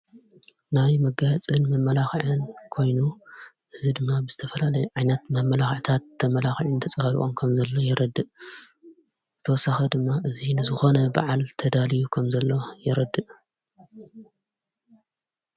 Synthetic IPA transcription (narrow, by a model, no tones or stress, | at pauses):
najmɐɡaht͡sʼɨnmɐmɐlaxʕɨnkʰo̞jnu | ʔɨzid̪ɨmːabɨz̥ɨt̪ʰɐfɐlalɐjuʕajnɐt̪mɐmɐlaxʕt̪ʰat̪ʰːɐmɐlaxiʕɨnt̪ʰɐt͡sʼɐhɐɾiʔʼomkʰɐmzɐlːo̞jɛɾɐd̪ɨʔ | zɨt̪ʰɐwɔsːaxɐd̪ɨmːaʔɨzinɨzɨxo̞nɐba̰ʕalt̪ʰɐd̪alijukʰɐmzɐlːo̞jɛɾɐd̪ɨʔ